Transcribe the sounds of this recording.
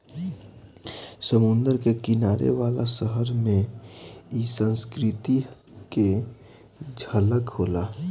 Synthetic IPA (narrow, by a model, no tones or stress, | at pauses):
səmʊ̃nd̪əɾkekɪnaːɾḛʋaːlasəɦəɾmẽ | isə̃nskɾɪt̪i | ke | d͡ʒʱələkɦoːlaː